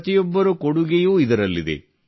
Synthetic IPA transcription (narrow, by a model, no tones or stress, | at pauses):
t̪ijɔbːɐɾukoɽuɡejuːid̪ɐɾɐlːid̪e̞̰